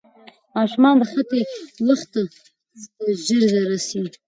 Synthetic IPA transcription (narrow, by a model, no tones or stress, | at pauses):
mɑʃumɑnd̪əxat̪ewəxt̪a | zaʒəɾzaɾasi